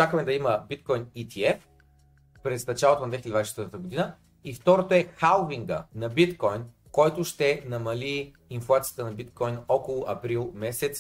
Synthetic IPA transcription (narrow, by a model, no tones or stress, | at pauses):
t͡ʃakəmɛd̪ɐiməbit̪̚kɔjnit̪ʰiɛf | pɾɛsnɐt͡ʃalˠot̪onɐd̪vɛçild̪vaisʃɛt̪vɾt̪t̪əɡod̪inə | ift̪ɔɾot̪oɛxalˠviŋɡə̰nɐbit̪kɔjn | kɔjt̪ʊʃt̪ɛnɐmɐliː | nflˠat̪sijə̥t̪ənɐbit̪kɔjnɔkolˠʊʔɐpɾilˠmɛsɛt̪s